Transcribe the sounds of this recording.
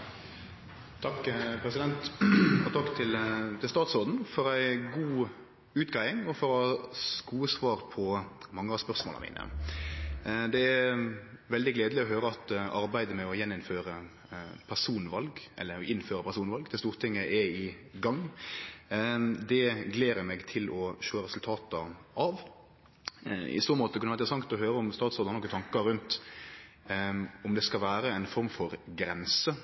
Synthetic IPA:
t̪ʰɑkːpʰɾɛsɪd̪ɛnt̪fɔt̪ʰɑkːt̪ʰɪlt̪ʰɪlst̪ɑːt̪soːd̪n̩fɔɾæɪɡuː | ʉːt̪ɡɾæɪɪŋɔfɔɾɔhɑskuːəsʋɑːɾpʰɔmɑŋːəɑʋspœʁsmo̰ːlə̰mḭːnə̰ | d̪ɛæ | ʋɛld̪ɪɡleːd̪əlɪɔɦøːɾəɑt̪ɑɾbæɪd̪əmɛɔjɛnːɪnføːɾə | pʰæʂuːnʋɑlɡʔɛ̰lːəɪnføːɾəpʰæʂuːnʋɑlɡd̪ʰɛst̪uːɾt̪ʰɪŋːəʔɛɪɡɑŋː | d̪ɛɡleːɾəmɛɡt̪ʰɪlɔʃøːɾɛsʉlt̪ʰɑːt̪əʔɑʋ | ɪ̰st̪oːmoːt̪əkɑnʋæɛɪd̪əəsɑŋkt̪ɔɦøːɾəʊmst̪ɑːt̪sɔːd̪ɑnɔkːət̪ʰɑŋkəɾʉnt̪ | ɔmd̪ɛskɑlʋæːɾəɛɪnfɔɾmfɔɾɡɾɛnsə

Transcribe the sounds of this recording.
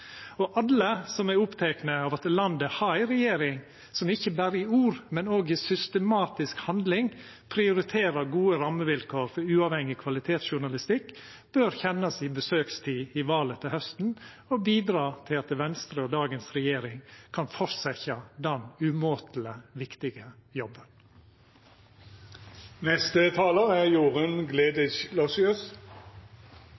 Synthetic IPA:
ɔʔɑlːəsɔmæʊpt̪ʰɛknəɑʋɑt̪lɑnd̪əhɑɪɾɛjeːɾɪŋ | sɔmɪçːəbæːɾəɪuːɾmɛnoːɡɪsʏst̪əmɑːt̪ɪskhɑnd̪lɪŋ | pʰɾɪʊɾɪt̪ʰeːɾɑɾɡuːəɾɑmːəʋɪlkʰoːɾfɔɾʉːɑʋhɛŋːɪkʰʋɑlɪt̪ʰeːt̪sʃʊɳɑlɪst̪ɪkː | b̥øɾçɛnːɑsɪbəsøːkst̪ʰiːɪʋɑːlət̪ʰɪlhœst̪n̩ | obiːd̪ɾɑːt̪ʰɪlɑt̪ʋɛnst̪ɾəod̪ɑːɡənsɾɛjeːɾɪŋkʰɑnfɔɾsɛçɑd̪ɛnʉmoːt̪ʰl̩əʋɪkt̪ɪɡəjɔbːən | nɛst̪ət̪ʰɑːləæʁjuːʁənɡleːd̪ɪçlɔsɪʉs

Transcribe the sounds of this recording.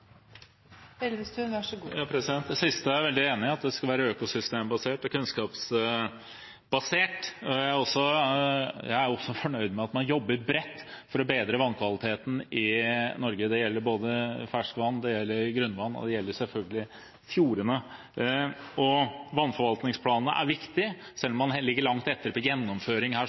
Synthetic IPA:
ɛlst̪ʉæʂɔjɑːpʰɾɛsɪd̪ɛnt̪̚d̪ɛsɪst̪əæɾʋɛld̪ɪeːnɪɑt̪̚d̪ɛskɑlʋæːɾəøːkʊsʏst̪eːmbɑseːʈɔkʰʉnskɑːps | bɑseːʈɔææɾɔsːɔ | jæɪæɾɔsːɔfɔɳœʏd̪mɛɑt̪mɑnjɔbːəɾbɾɛt̪ːfɔɾɔbeːd̪ɾəʋɑnːkʰʋɑlɪt̪ʰeːt̪n̩ɪnɔɾɡəd̪ɛjɛlːəɾboːd̪əfæʂkʋɑnːd̪ɛjɛlːəɾɡɾʉnːʋɑnːɔ̰d̪ɛjɛlːəsɛlfœlɡəlɪ | fjuːɾənə | ɔʋɑnːfɔɾʋɑlt̪nɪŋspʰlɑːnnə̰ʔæ̰ɾʋɪkt̪ɪ | sɛlːɔmːɑnlɪɡːəɭɑŋt̪ɛt̪ːəɾpʰɔjɛnːɔmføːɾɪŋhæː

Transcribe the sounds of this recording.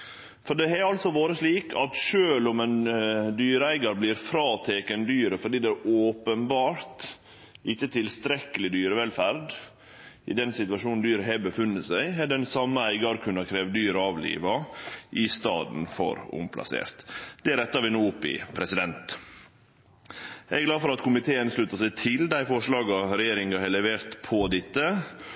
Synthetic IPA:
fɔɖɛɛɾɑlsɔʋoːɾəsliːkʰɑt̪ʃøːlʊmɛnd̪yːɾəæɪɡɑɾblɪːɾfɾɑːt̪ʰeːkənd̪yːɾəfɔɖiːd̪ɛæʔoːpənbɑːɾt̪ | ʔɪçːət̪ʰɪlst̪ɾɛkːəlɪd̪yːɾəʋɛlfæɾd̪ | ɪ̰d̪ɛnsɪt̪ʉɑʃuːnnd̪yːɾəɦɛbəfʉnːəsæɪɛɖɛnsɑmːəæɪɡɑɾkʰʉnːɑkʰɾeːʋ̪d̪yːɾəɑːʋlḭːʋɑʔɪst̪ɑ̰ːd̪n̩fɔ̰ɾʊ̰mpʰlʔɑ̰sḛːɾt̪d̪ɛɾɛt̪ːɑɾʋɪnuːʊpːɪ̰pʰɾɛsɪd̪ɛnt̪ | ɛɡlɑːfɔɾɑt̪kʰʊmɪt̪ʰeːənʂlʉt̪ɑsæɪt̪ʰɪld̪æɪfɔʂlɑːɡɑɾɛjeːɾɪŋɡɑhɛlɛʋeːɾt̪pʰɔd̪ɪt̪ːə

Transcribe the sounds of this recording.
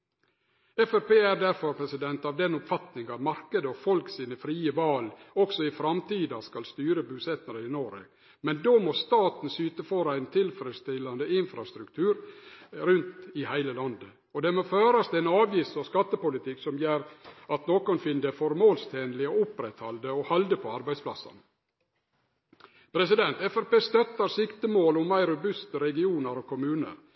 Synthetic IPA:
ɛfɛɾpeːæɾd̪æɾfɔɾpʰɾɛsɪd̪ɛnt̪ɑʋd̪ɛnʊpfɑt̪nɪŋɑʋmɑɾkəd̪əɔfɔlksiːnəfɾiːəʋɑːlɔksɔɪfɾɑmt̪iːd̪ɑskɑlst̪yːɾəbʉsɛt̪nəɾəɪnoːɾə̰ | mɛnd̪oːmost̪ɑːt̪n̩syːt̪əfoːɾæɪnt̪ʰɪlfɾəst̪ɪlːɑnd̪əɪnfɾɑst̪ɾʉkt̪ʰʉːɾɾʉnt̪ɪhæɪləlɑnd̪ə | ɔd̪ɛmoːføːɾɑst̪ʰɪlɛnɑːʋjɪst̪ɔskɑt̪ːəpʊlɪt̪ʰɪksɔmjeːɾɑt̪noːkɔnfɪnd̪əfɔɾmoːlst̪ʰeːnəlɪɔʊpɾɛt̪hɑld̪əɔhɑld̪əpʰɔɑɾbæɪspʰlɑ̰sːɑ̰n | pʰɾɛsɪd̪ɛnt̪ɛfɛɾpeːst̪œt̪ːɑɾsɪkt̪əmoːlʊmːæɪɾʊbʉst̪əɾɛɡɪuːnəɾɔkʰʊmʉːnə̰ɾ

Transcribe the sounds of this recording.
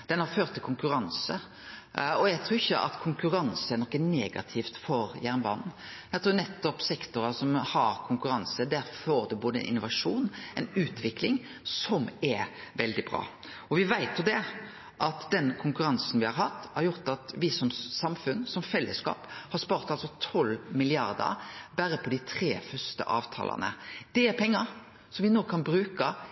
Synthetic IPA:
d̪̥ɛnhɑɾføːɾt̪ʰːɪlkʰʊŋkʉɾɑnsə | ɔjæɡt̪ʰɾuːɾɪçːəʔɑ̰t̪kʰʊŋkʉɾɑnsəæɾnɔkːəneːɡɑ̰t̪ʰɪft̪fɔɾjæʁnbɑ̰nn | jæt̪ʰɾuːnɛt̪ːɔpsɛkt̪ʊɾɑsɔmhɑɾkʰʊŋkʉɾɑnsəd̪æɾfɔɾd̪ɛboːd̪əɛ̰nʔɪnʊʋɑʂuːnɛɪnʉːt̪ʋɪklɪŋ | sɔmɛʋɛld̪ɪbɾɑ̰ː | ɔʋɪʋæɪt̪jʊd̪ɛ | ʔɑt̪d̪ɛnkʰʊŋkʉɾɑnsənʋɪhɑɾɦɑt̪ːhɑɾjʊʁt̪ɑt̪ʋɪsɔmsɑmfʉnsɔmfɛlːəskɑ̰ːphɑspɑːɾt̪ɑlsɔt̪ʰɔlːmɪlɪɑ̰ʁd̪ə̰ɾbæɾəpʰɔd̪ɪt̪ʰɾeːfœʁst̪ə̰ʔɑ̰ːʋt̪ʰɑ̰ːlə̰nə̰d̪̥ɛæɾpʰɛŋːəɾ | sɔmʋɪnoːkʰɑnbɾʉːkə

